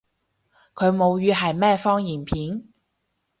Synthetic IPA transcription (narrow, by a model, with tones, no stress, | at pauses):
kʰɵ˨˧ɥmo˨˧wjyː˨˧ɦɐ˨jmɛː˥fɔː˥ŋjiː˨˩npʰiː˨˥n